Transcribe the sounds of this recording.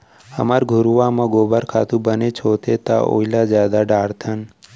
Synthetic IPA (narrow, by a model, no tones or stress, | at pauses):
ə̰maɾɡʱʊɾuʋamãɡobaɾkʰat̪ũbənet͡ʃʰot̪ʰet̪a̰ʔo̰ilad͡ʒad̪aɖaɾt̪ʰən